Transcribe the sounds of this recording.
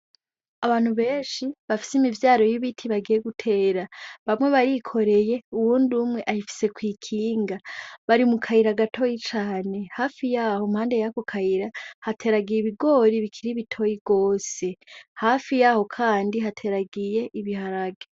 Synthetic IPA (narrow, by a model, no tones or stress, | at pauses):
aβaːn̥huβe̞ːnʃiβafi̥simivjaːɾo̞jiβitʰiβaɡije̞ɡutʰe̞ːɾaβamŋwe̞βaɾikʰo̞ɾe̞je̞uwuːnduːmŋe̞ʔahifi̥se̞kwiːkʰiːŋɡaβaɾimukʰaiɾaɡatʰo̞jit͡ʃaːne̞haːfijaːho̞mhaːnde̞jako̞kʰaiɾahatʰe̞ːɾaɡijiβiɡo̞ːɾiβikʰiɾiβitʰo̞jiɡoːse̞haːfijaːho̞kʰaːndiɦatʰe̞ɾaɡije̞ʔiβihaɾaɡe